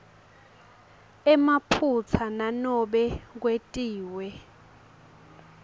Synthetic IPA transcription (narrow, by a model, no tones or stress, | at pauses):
ɛmapʰut͡sʰananɔɓɛk̬wetʼiːwɛ